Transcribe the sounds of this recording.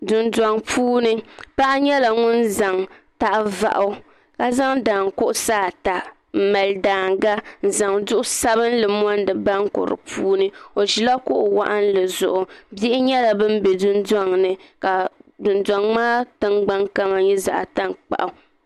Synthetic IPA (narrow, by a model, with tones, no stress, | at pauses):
dʊ˨nda˨ŋpʰuː˦nɨ˦pa˦ʔa˦ɲɛ˦la˨ŋʊ˦nza˨ŋ | ta˦ʔva̰˨ʔʊ˦ | ka˦za˦ŋdaː˨ŋkʊ˦ʔʊ˦saː˦˨ta˨ | m̩˨ma˨ldaː˨ŋɡa˦n̩˨za˨ŋdʊ˦ʔʊ˦sa˦bɨ˦n˦lɨ˨m˦ɔ˦ndɨ˨ba˦ŋ˦kʊ̰˨ɾɨ̰˨pʰuː˦nɨ˦o˨ʒi˨la˦kʊ˦ʔʊ˨wa̰˦ʔa˦n̩˦lɨ˨zʊ̰˨ʔʊ˨bi˦ʔɪ˦ɲɛ˦la˨bɨ˦m˦bɛ˨dʊ˦nda˦ŋnɨ˨ka˨dʊ˨nda˨ŋmaː˦tɨ˦ŋɡ͡ba˦ŋka˦ma˨ɲɛ˦za̰˨ʔa˨ta˦ŋk͡pa̰˨ʔa˨˦